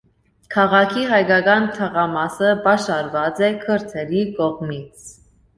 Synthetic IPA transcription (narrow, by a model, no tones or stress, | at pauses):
kʰɑʁɑkʰiɦɑjkɑkɑnt̪ʰəʁɑmɑsəbɑʃɑɾvɑt͡sɛkʰəɾt̪ʰɛɾikɔʁmit͡sʰ